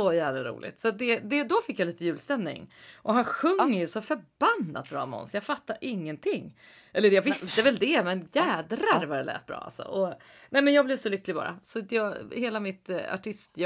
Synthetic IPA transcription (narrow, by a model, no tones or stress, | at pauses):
sɔjæːvlaɾṵːlɪ̰t̪sat̪̚d̪ɛd̪ɛd̪ɔfɪkːjaliːt̪əjʉ̟ːlst̪ɛmnɪ̰ŋʔɔɦanɧɵŋːəjɵsɔfœɾbanːa̰t̪̚bɾɑ̰ːmɛɔ̰nsjɑːɡfat̪ːaɾʔɪŋːənt̪ʰɪŋː | ʔɛlːəɾjɑvɪst̪əvɛld̪ɛmɛnjæːd̪ɾaɾvaɾɛlɛ̰ːt̪̚bɾɑ̰ːa̰lsɔ̰ʔɔ | nɛɪmɛnjɑːɡblɛvsɔlʏkːlɪbɑ̰ːɾʔa̰sɔjɑːheːlamɪt̪a̰ʈʰɪst̪j